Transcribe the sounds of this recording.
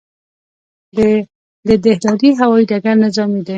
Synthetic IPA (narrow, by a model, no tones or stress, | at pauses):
d̪əd̪ehd̪ɑɾiɦawɑiɖaɡaɾnɪzɑmid̪e